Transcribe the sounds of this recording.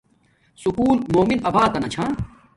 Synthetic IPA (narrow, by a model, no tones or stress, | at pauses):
sukuːlmoːminɐbʱaːt̪ɐnɐt͡ɕʰãː